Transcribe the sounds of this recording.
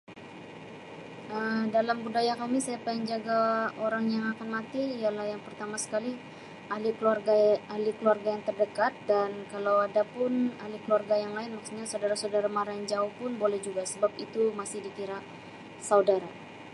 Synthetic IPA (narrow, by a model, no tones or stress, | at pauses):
ʔəmdalamɡudajakamisajapaiŋd͡ʒaɡaoɾaŋjaŋakanmat̪iːjalahjaŋpərt̪amasə̥kali | ʔalikluarɡaalikəluarɡajaŋt̪ərdəkat̪̚dankalawadapʊnalikəluarɡajaŋlaɪnmak̚t̪iɲasaudaɾasaudaɾamaɾand͡ʒaʊhpʊnbolɛhd͡ʒuɡasəbap̚it̪umasɪhdikiɾa | saudaɾa